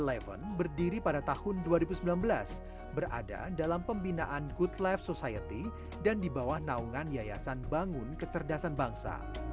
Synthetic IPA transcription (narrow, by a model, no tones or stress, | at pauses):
lɛvə̰nbərdiɾipadat̪ahʊnduaɾibusəmbilanbəla̰s | bərʔa̰da̰dalampəmbinaʔanɡutlɛfsosajət̪i | dandibawahnauŋanjaja̰sanbaŋʊnkət͡ʃərdasanbaŋsa̰